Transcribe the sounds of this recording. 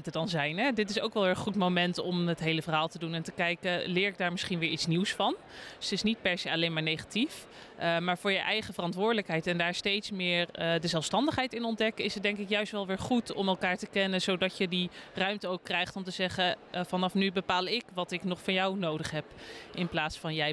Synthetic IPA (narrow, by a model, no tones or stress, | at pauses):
ntədɑnzɛjnɦɛdɪtɪsowkʋɛlˠʋɪːəχutmowmɛntɔmətɦejləvərɦaːlˠtədunɛntəkɛjkəlɪːɹɪɡ̚daːɹmɪsχinʋɪːɹitsniwsfɑn | sətɪsnit̚pɛɹsejɑlejnmaːɹnejχatif | maːɹvʊːɹjəʔɛjχəvərɑntʋʊːɹdələkɦɛjtɛndaːɹstejtsmɪːɹdəzɛlˠfstɑndəχɦɛjtɪnɔndɛkɪsət̚dɛŋkɪkjœɥstʋɛlˠʋɪːɹχutɔ̰mɛlˠkaːɹtəkɛnəzowdɑcjədirœɥmtəowkːrɛjχtɔmtəzɛχəvɑnɑfnybəpaːlˠɪkʋɑtɪknɔχfɑnjɑwnowdəχɦɛpʔɪnplaːtsfɑnjɛj